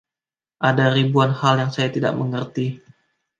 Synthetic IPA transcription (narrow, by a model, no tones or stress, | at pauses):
ʔadaɾibuanhaljaŋsajat̪ida̰ʔməŋərt̪i